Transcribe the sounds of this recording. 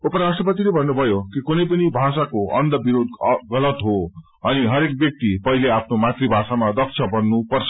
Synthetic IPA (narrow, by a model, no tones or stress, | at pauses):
upʌɾasʈʌpʌt̪ilebʱʌnːubʱʌjokikunʌjpʌnibʱasakoʔʌnd̪ʌbiɾod̪ɡʌlʌt̪ɦo | ʌniɦʌɾek̚bjʌk̚t̪ipʌɦileapʰnomat̪ribʱasamad̪ʌk̚t͡ʃʰʌbʌnːupʌrt͡sʰʌ̥